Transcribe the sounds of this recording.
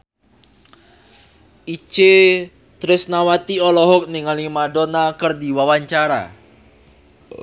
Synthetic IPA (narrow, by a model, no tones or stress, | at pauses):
ʔit͡ʃe | t̪ɾɪsnawat̪iɔlɔɦɔk̚niŋalimadonakərdiwawaɲt͡ʃaɾa̰